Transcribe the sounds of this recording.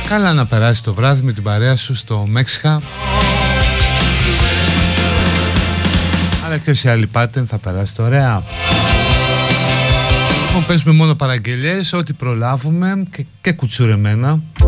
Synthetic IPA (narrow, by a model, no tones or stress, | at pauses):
kɐlɐnɐpe̞ɾɐsist̪o̞vɾɐðime̞t̪ibɐɾe̞ɐsust̪o̞me̞ksi̥xɐ | i | ɐlɐceo̞siɐlipɐt̪enθɐpe̞ɾɐsi̥t̪oɾe̞ɐ | lipo̞mpe̞zumemo̞no̞pɐɾɐɟe̞ʎe̞so̞t̪ipɾo̞lɐvume̞ce̞kut͡suɾe̞me̞nɐ